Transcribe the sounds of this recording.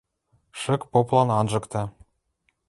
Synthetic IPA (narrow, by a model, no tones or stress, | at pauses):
ʃə̆kpoplˠɑnɑnʒɤ̆kt̪ɑ